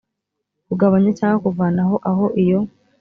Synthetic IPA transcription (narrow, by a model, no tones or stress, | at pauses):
kuɡaβaɲat͡ʃaːŋɡakuvaːnaɦoʔaɦo̞ʔijo